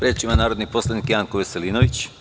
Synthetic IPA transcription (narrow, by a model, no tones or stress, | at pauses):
pɾet͡ʃimanaːɾod̪nipo̞slˠad̪nikjaːŋkoʋeseliːnoʋit͡ɕ